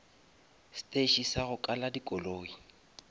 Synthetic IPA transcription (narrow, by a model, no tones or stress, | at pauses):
stʼeʃisaɣʊkʼaladikʼɔloːi